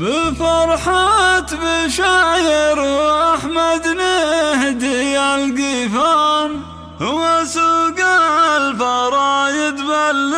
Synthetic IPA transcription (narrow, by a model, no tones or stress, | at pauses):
bɪfɑɾˤħat̪bɪʃaʕjɪɾʔaħmad̪nɪhd̪ijalɡifan | hʊwːasuːɡaʕalfɑɾˤɑjɪd̪balː